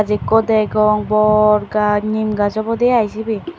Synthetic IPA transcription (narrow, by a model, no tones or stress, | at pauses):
azikɔd̪ɛjɡɔŋbɔɾɡanimɡazɔbɔd̪eajsibi